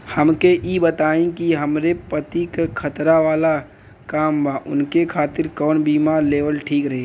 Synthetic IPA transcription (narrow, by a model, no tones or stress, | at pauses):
həmkeʔiːbət̪aːẽkiɦəmɾepət̪ikekʰət̪ɾaʋaːla | kaːmbaːʔʊ̰nkekʰaːt̪ɪɾkɔːnbiːmaːɾleːʋəlʈʰiːkɾɐɦe